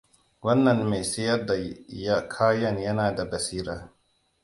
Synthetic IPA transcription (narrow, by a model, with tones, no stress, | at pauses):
wɐ˦nːɐ˨nme˨jsɐ˦jɐ˦rda˨ja˦kʰaː˦jɐ˦njɐ˦naː˨da˨bɐ˨siː˦ɾaː˨